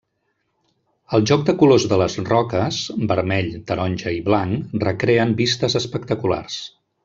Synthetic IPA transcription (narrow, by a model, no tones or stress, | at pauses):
əlˠʒɔk̚d̪əkulozðələzrɔkəz̥bəɾmɛʎt̪əɾɔnʲʒəiβlaŋrəkɾeəmbist̪əzəspəkt̪əkula̰rs